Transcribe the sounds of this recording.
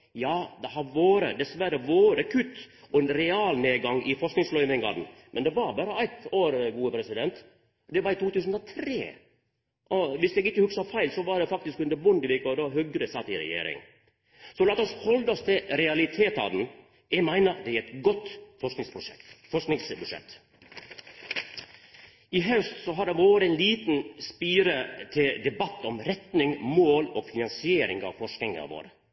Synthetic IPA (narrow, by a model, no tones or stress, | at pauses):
jɑːd̪ɛhɑɾʋoːɾəd̪ɛsʋæɾəʋoːɾəkʰʉt̪ː | ɔɛnɾɛɑːlneːɡɑŋɪfɔʂknɪŋslœʏmɪŋɡɑ̰d̪n̩mʔɛnd̪ɛʋɑɾbɑːɾəæɪt̪oːɾɡuːəpʰɾɛsɪd̪ɛnt̪ | d̪ɛʋɑɾit̪ʰuːt̪ʉːs̬n̩ɔt̪ʰɾḛː | ʔɔʋɪslɛɡɪkːəhʉksɑfæɪlsɔʋɑɾd̪ɛfɑk̚t̪ɪskʉnd̪əbʊnd̪ɪʋɪkɔd̪ɑːɦʉɡɾəsɑt̪ːɪɾɛ̰jḛːɾɪ̰ŋ | sɔlɑːt̪ɔshɔld̪ɔst̪ʰɪlɾɛɑlɪt̪ʰeːt̪ɑ̰ːd̪n̩ | ɛmæɪnəd̪ɛæɾɛt̪ɡɔt̪ːfɔʂknɪŋspɾʊʂɛfɔʂknɪŋsbʉʂɛ̰t̪ː | ɪɦœst̪sɔɦɑɖɛʋoːʋɾɛɪnliːt̪n̩spiːɾət̪ʰɪld̪ɛbɑt̪ːɔmɾɛt̪nɪŋmoːlɔːɡfɪnɑnsɪeːɾɪ̰ŋɑ̰ʋfɔʂk̪ɪŋɑ̰ʋo̰ːɾə